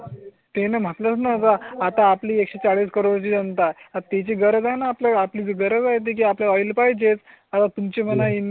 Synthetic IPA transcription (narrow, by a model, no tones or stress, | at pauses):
t̪enam̤ət̪lət͡snat̪aːt̪aːpliːekɕet͡saɽiːskəɾoɽt͡ɕiːd͡zənt̪aat̪et͡ɕiɡəɾəd͡zajnaːpljaapliːd͡zeɡəɾəd͡zajt̪̬ek̬iːapljaɔjlpajd͡ʑet͡s | at̪at̪umt͡ɕem̤ənain